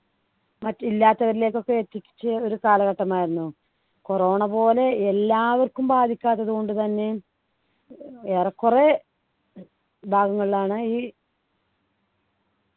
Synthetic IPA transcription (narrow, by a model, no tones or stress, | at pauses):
mɐtːilːaːt̪ːɐʋɐɾile̞ːkːo̞kːe̞et̪ːikʲːi̥t͡ɕːɨo̞ɾukaːlɐɣɐʈːɐmaːjiɾunːu | koro̞ːɳɐpo̞ːle̞elːaːʋɐrkːumbaːd̪ʱikʲːaːt̪ːɐðuko̞ɳɖɨt̪ɐnːe̞ | eːrɐkːure | bʱaːɡɐŋːɐɭilaːɳɨiː